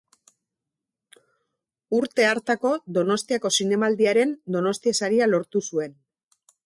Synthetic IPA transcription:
uɾt̪e̞aɾt̪ako̞ðo̞no̞st̪iako̞sine̞mald̪iaɾe̞nd̪o̞no̞st̪iesaɾialo̞ɾt̪usue̞n

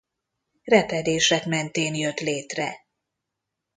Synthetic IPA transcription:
rɛt̪ɛd̪eːʃɛkmɛnt̪eːnjøt̪leːt̪rɛ

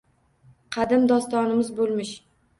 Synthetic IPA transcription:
qʰɑd̪ɪmd̪ɒst̪ɒnɪmɪzbolˠmɪʃ

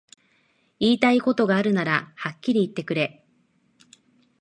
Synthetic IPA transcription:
iːt̪aiko̞t̪o̞ɡaːɾɯ̟naɾahakʲːiɾʲiːt̪ːe̞kɯ̟ɾe̞

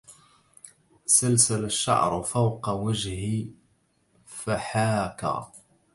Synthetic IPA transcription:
salsalaʃːa̰ʕɾˤfawqɑwad͡ʒhɪ | faħaːka̰

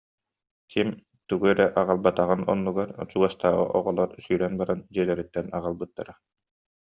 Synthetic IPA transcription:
kʰim | t̪uɡuɛɾɛʔaʁalˠbat̪aʁɯnɔ̰nːuɡaɾt͡ɕuɡast̪aːʁɯ̰ʔɔʁɔlˠɔɾsyːɾɛnbaɾand͡ʑiɛlɛɾit̪ːɛnaʁalˠbɯt̪ːa̰ɾa

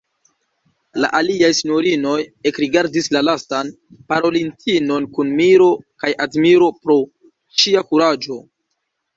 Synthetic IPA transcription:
la̰ʔaliajsiɲo̞ɾino̞je̞kɾiɡaɾdislalastan | paɾo̞lintʰinonkunmiɾo̞kajʔadmiɾo̞pɾo̞ | ʃiakuɾad͡ʒo̞

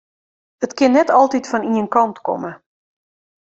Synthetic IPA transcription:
ətkɪnːɛtɔlˠtitfɔniənkɔntkɔ̰mə

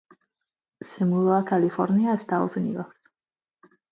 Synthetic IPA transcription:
semuðoakalifo̰ɾnjaest̪aðosunḭðos

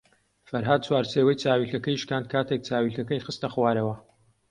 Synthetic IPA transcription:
fɐɾɦaːd̪̚t͡swaːɾt͡sewɐjt͡saːwiːɬɐkɐjiʃkaːnd̪̚kʰaːt̪ʰek̚t͡sʰaːwiɬɐkɐjxɨst̪ɐχwaːɾɐwɐ

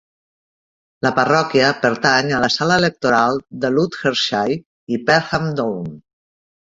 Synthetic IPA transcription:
ləpərɔkiəpəɾt̪aɲələsaləelək̚t̪oɾalˠd̪əlut̪xəɾʃaj | ipɛɾɣamd̪own

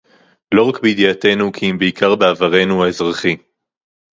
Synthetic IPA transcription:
lo̞ʁakbejd̪ijat̪e̞nukʰiimbeikʰaʁbeavaʁe̞nuaezʁaχi

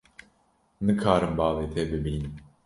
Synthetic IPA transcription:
nɨkʰaːɾɨmbɑːlˠeːt̪ʰeːbɨbiːnɨm

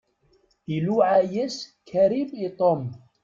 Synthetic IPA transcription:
ʔiluːʕajeskʰaɾibit̪ˤom

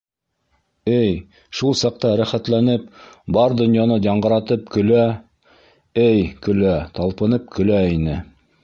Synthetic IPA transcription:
ɘj | ʃulˠsɑq̚t̪ɑɾæχæt̪lænɘpbɑɾd̪ɵ̆njɑnɤjɑɴɢɤ̆ɾɑt̪ɤp̚kɵ̆læ | ɘjkɵ̆læt̪ɑlˠpɤ̆nɤp̚kɵ̆læinɘ

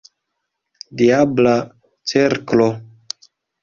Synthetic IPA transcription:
diabla | t͡seɾklo

